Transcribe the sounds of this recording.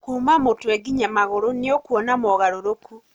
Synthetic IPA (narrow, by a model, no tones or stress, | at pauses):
kuːmamotweɡiɲamaɣoɾoniokwɔnamoɣaɾoɾoku